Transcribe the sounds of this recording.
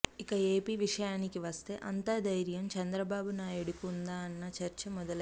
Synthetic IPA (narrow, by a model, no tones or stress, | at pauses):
ikɐeːpiːʋiʂɐjaːnikiʋɐst̪e̞̰ːʔɐnt̪aːd̪ɐjɾjɐmt͡ʃɐnd̪ɾɐbaːbunaːjuɽukiund̪aːɐnːɐt͡ʃɐɾt͡ʃɐmɔd̪ɐlɐ